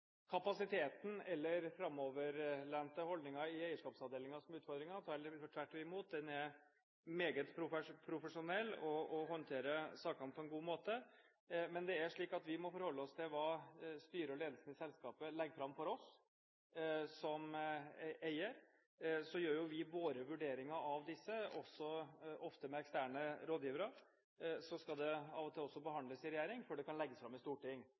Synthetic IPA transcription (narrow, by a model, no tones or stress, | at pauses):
kʰɑpɑsɪt̪ʰeːt̪n̩ɛlːəɾfɾɑmɔʋəɾlænt̪əhɔld̪nɪŋɑɪæɪəʂkɑːpsɑʋd̪eːlɪŋɑsɔmʉːt̪fɔɾd̪ɾɪŋɑt̪ʰɑːɔʈʰʋæʈːøɪmuːt̪̚d̪ɛnæɾ | meːɡət̪pʰɾʊfpʰɾʊfəʂʊnɛlːɔɔɦɔnt̪ʰeːɾəsɑːkɑnpʰɔɛnɡuːmoːt̪ə | mɛnd̪ɛæʂɭiːkɑt̪ʋɪmɔfɔɾhɔlːəɔst̪ʰɪlʋɑːst̪yːɾəɾɔleːd̪lsn̩ɪsɛlskɑːpəlɛɡəfɾɑmːfɔɾɔs | sɔm | æɪəɾ | sɔjøːɾjʊʋɪʋoːɾəʋʉɖeːɾɪŋɑʔɑʋd̪ɪsːəɔsːɔɔft̪əmɛɛkst̪æːɳəɾoːd̪jiːʋəɾɑɾ | sɔskɑld̪ɛɑːʋɔt̪ʰɪlːɔsːɔbəhɑnd̪ləsɪɾɛjæːɾɪŋfɔɖɛkɑnlɛɡːəsfɾɑmːɪst̪uːʈɪŋː